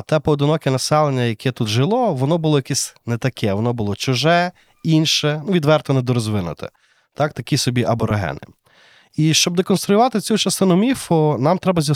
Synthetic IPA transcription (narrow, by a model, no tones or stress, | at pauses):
t̪ɛpɔɔd̪ɪnɔkɪnɐsɛlˠenʲːɐjɐkʰɛt̪ut̪ʒɪlˠɔʋɔnɔbʊlˠɔjɐkɛsʲnɛt̪ɐkʰɛʋɔnɔbʊlˠɔt͡ʃʊʒɛ | inʃɛnuʋʲid̪ʋɛrt̪ɔnɛd̪ɔɾɔzʋɪnʊ̰t̪ʰɪ̰ | t̪ɑk̚t̪ɐkʲisɔbʲiʔɐbɔɾeɦɛ̰nɪ̰ | iʃt͡ʃɔbd̪ekɔnst̪ɾʊjʊʋɑt̪ɪt͡sʲut͡ʃɐst̪ɪnʊmʲifɔnɑmt̪ɾɛbɐzʲɐ